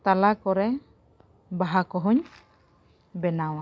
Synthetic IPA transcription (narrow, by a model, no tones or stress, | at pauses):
t̪alakɔɾɛ | baɦakɔɦɔɲ | bɛnawa